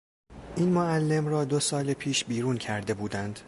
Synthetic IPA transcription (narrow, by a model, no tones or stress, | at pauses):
ʔiːnmoælːe̞mɾɒːd̪o̞sɒːlepʰiːʃbiːɾuːncʰæɾd̪e̞buːd̪ænd̪̥